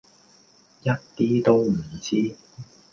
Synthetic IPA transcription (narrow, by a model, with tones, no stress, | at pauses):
jɐ˥t̚t̪iː˥t̪o˥wm̩˨˩t͡siː˥